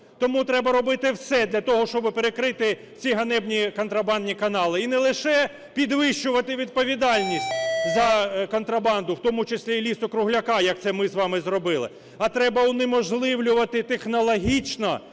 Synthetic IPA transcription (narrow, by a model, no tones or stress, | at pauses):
t̪ɔmut̪ɾɛbɐɾɔbɪt̪ɪwsɛd̪lʲɐt̪ɔɦɔʃt͡ʃɔbɪpeɾekɾɪt̪ɪ | t͡sʲiɦɐnɛbnʲikɔnt̪ɾɐbɑnd̪ʲnʲikɐnɑlˠɪinɛlˠɪʃɛ | pʲid̪ʋɪʃʊʋɐt̪ɪʋʲid̪̚pɔʋʲid̪ɑlʲnʲisʲtʲzɐkɔnt̪ɾɐbɑnd̪ʊwt̪ɔmʊt͡ʃɪsʲlʲilʲist̪ɔkɾʊɦlʲɐkɑjɐk̚t̪sɛmɪzʋɑmɪzrɔbɪlˠɪ̰ | ɐt̪ɾɛbɐʊnɪmɔʒlˠɪwlʲʊʋɐt̪ɪt̪exnɔlˠɔɦʲit͡ʃnɐ